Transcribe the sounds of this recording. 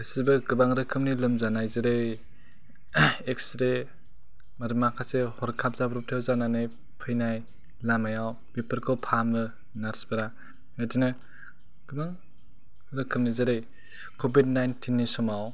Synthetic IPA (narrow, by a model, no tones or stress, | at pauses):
ɯsibɯɡɯbaŋɾɯkʰɯmnilɯmzanajzeɾej | ekstɾe | maɾɯmakʰasehɔɾkʰap̚zabɾɔp̚tʰewzananɯj | pʰɯjnaj | lamajaw | pepɯɾkʰɔpʰamɾɯ | naɾsbɯɾa | atinɯ | ɡ̥ɯbaŋ | ɾɯkʰɯmnizeɾej | kʰobid̚najntʰinːisɔmaw